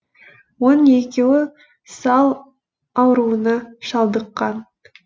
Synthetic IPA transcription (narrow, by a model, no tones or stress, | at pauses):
wo̞ne̞kʲe̞wɪ | sɑlˠ | ɑwəɾuənɑʃɑlˠd̪əqːɑn